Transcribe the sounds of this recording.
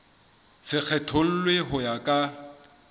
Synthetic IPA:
sɪk͡xʰɛtʰol̩lweɦʊjakʼa

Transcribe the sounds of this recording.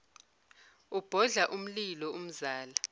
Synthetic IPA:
ub̥ʱɔɮaʔum̩lilɔum̩zaːla

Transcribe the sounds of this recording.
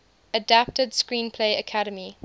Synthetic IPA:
ədap̚tədskɹĩːnpʰleɪəkʰaɾəmi

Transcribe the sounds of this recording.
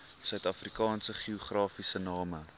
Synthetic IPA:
sœɥtɐfrikɑːnsəχiuχrɑːfisənɑːmə

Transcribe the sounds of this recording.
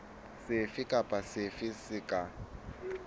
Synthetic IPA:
sɪfɪkʼapʼasɪfɪsɪkʼa

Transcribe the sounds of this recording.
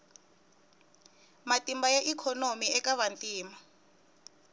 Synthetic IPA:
matʼimbajaʔikʰɔnomiɛkaβantʼiːma

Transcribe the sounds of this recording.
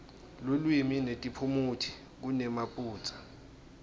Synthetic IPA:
lulwiminetʼipʰumutʰi̥ | k̬unɛmapʼuːt͡sʼḁ

